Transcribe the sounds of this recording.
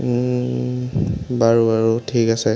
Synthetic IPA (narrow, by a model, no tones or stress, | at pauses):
baɹuaɹutʰikasɛ